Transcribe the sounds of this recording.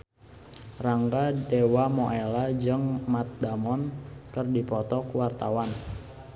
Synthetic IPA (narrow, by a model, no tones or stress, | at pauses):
raŋɡadewamɔʔelad͡ʒəŋmat̪̚damɔnkərdipɔt̪ɔkwart̪awan